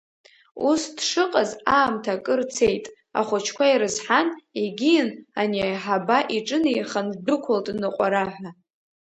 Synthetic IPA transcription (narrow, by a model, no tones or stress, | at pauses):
usd̥ʂɨqʼazaːmtʰakʼɨrt͡sʰejtʼ | a̰χʷʊt͡ʃʰkʷaiɾɨzħaneɡʲijɪnanijħabaʔiʈ͡ʂʼɨnijχandɨkʷʰʊltʼnɨqʷʼaɾaħʷa